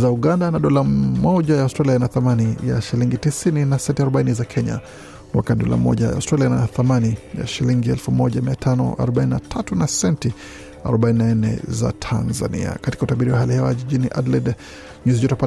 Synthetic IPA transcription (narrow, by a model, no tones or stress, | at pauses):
zauɠandanaɗɔlamɔʄajaustɾaliajnaθamanija̰ʃiliŋɡitisininasɛntiaɾɔɓainizakʰɛɲa̰ | mwakaɗɔ̰la̰mɔ̰ʄaja̰ustɾalianaθamanija̰ʃiliŋɡiɛlfumɔʄamiatʰanɔ̰ʔa̰ɾɔɓaininatʰatunasɛnti | a̰ɾɔɓaininaɛnɛ̰za̰tʰanza̰nḭa̰kati̥kautaɓiɾiwaɦalihɛwa̰ʄiʄiniʔa̰dlɛd | ɲuzid͡ʒɔtapa